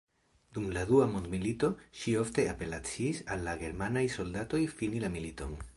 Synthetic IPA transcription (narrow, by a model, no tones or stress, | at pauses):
d̥umladuamondmilito̞ʃio̞fte̞ape̞lat͡sisalːaɡe̞ɾmanajso̞ldato̞jfinilamilito̞̰n